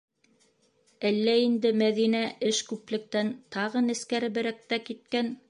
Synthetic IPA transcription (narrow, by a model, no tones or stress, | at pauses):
ælːæind̪ɘmæðinæʔɘʃkʉplɘ̆k̚t̪ænt̪ɑʁɤnɘ̆skæɾɘ̆bɘ̆ɾæk̚t̪ækit̪̚kæn